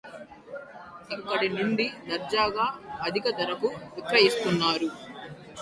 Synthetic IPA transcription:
ikːɐɽinuɳɖid̪ɐɾd͡ʒaːɡaːɐd̪ʱikɐd̪ɐɾɐkuʋikɾɐɦist̪unːaːɾu

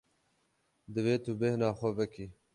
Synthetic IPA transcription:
d̪əweːt̪ubehnɑːxovəki

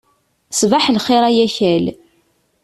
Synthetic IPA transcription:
svaħlχeɾˤæjæçæl

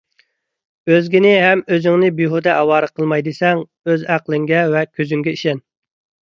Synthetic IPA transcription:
øzɡʲinɪɦɛmøzɪŋnɪbiɦud̪ɛʔɛwɑːɾɨqʰəlˠmɑjd̪ɨsɛŋ | øzæqlˠɪŋɡʲɛvɛkʲʰøzyŋɡʲɛiʃɛn

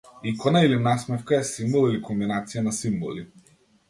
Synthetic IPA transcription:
ikɔnailinasmɛfkaɛsimbɔlˠilikɔmbinat̪sijanasimbɔ̰li

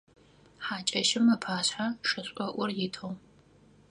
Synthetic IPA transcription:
ħaːt͡ʃʼɐʃɪmːɐpʰaːɕħaʂɐɕʷʼɔʔʷɔrjɪtʰow

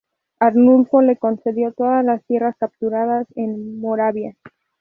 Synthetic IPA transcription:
aɾnulfo̞le̞ko̞nse̞ðjo̞t̪o̞ðazlast̪je̞raskap̚t̪uɾaðase̞nmoɾaβja

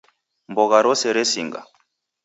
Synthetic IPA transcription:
mbɔɣaɾɔsɛɾesiŋɡa̰

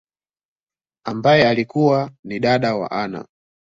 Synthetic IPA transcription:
ambajɛalikuwaniɗaɗawa̰ʔana̰

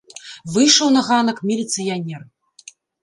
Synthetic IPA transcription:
vɨjʂɐwnɐɣanɐkmʲilʲit̪sɨjanʲɛr

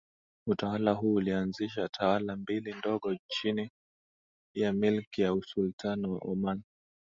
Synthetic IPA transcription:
utawalaɦuːlianziʃatʰawalambilindɔɠɔt͡ʃini | jamilkijausultʰanɔwa̰ʔɔman

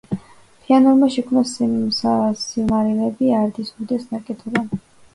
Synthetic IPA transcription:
pʰianɔɾmaʃɛkʰmnassasilmaɾilɛbiaɾd̪isud̪ɛsnaɾkʼɛt̪ʰɔba

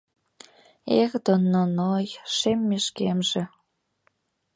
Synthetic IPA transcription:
eɣd̪onːonojʃemːeʃkemʒĕ

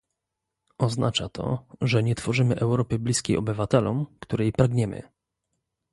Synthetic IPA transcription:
ɔznat͡ʂat̪ʰɔ̰ʐɛɲɛt̪fɔʐɘmɘʔɛwɾɔpɘblʲiskʲejɔbɘvat̪ɛlɔmkt̪uɾɛjpɾaɡɲɛmɘ̰

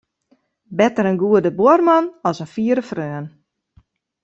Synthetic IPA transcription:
bɛtəɾənɡuədəbormanɔsənfiəɾəfrøːən

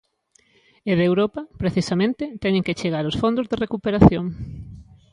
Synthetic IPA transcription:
eðewɾopɐpɾeθisamẽnt̪ɪt̪ɛɲẽŋket͡ʃeɣ̞aɾosfond̪ʊzðerekupeɾaθjoŋ

